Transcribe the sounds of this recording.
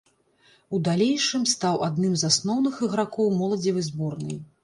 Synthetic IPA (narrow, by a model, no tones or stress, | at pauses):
ud̪alʲejʂɨmst̪awʔad̪nɨmzasnɔwnɨxɨɣɾakɔwmɔlˠɐd͡zʲivɨzbɔrnɨ̰j